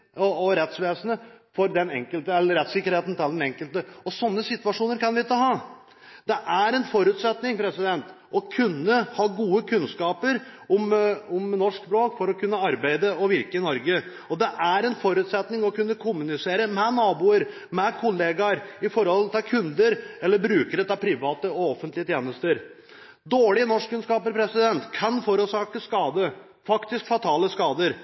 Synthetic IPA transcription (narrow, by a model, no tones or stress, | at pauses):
ɔɔɾɛt̪sʋeːsənəfɔɾd̪ɛnɛ̰ŋkəlt̪əɛlːəɾɛt̪sɪkːəɾheːt̪n̩t̪ʰɪld̪ɛnɛŋkəlt̪əɔsɔnːəsɪt̪ʋɑʂuːnəɾkʰɑnʋɪɪt̪ːəɦɑː | d̪̥ɛʔæɾɛnfɔɾʉt̪sɛt̪nɪŋpʰɾɛsɪd̪ɛnt̪ | ɔkʰʉnːəhɑːɡuːəkʰʉnskɑːpəɾʊmʊmnɔʂksbɾoːkfɔɾɔkʰʉnːəɑɾbæɪd̪əɔʋɪɾkəɪnɔɾɡə | ɔd̪ɛʔæɾɛnfɔɾʉːt̪sɛt̪nɪŋɔkʰʉnːəkʰʊmʉnɪseːɾəmɛnɑːbuːəɾ | mɛkʰʊleːɡɑɾɪfɔɾhɔlt̪ʰɪlkʰʉnd̪əɾɛlːəɾbɾʉːkəɾət̪ɑpʰɾɪʋɑːt̪əɔɔfənt̪lɪət̪ʰjeːnəst̪əɾ | d̪oːɭɪənɔʂkːʉnskɑːpəɾpʰɾɛsɪd̪ɛnt̪kʰːɑnfɔɾʉt̪sɑːkəskɑːd̪ə | fɑkt̪ɪskfɑt̪ʰɑːləskɑːd̪əɾ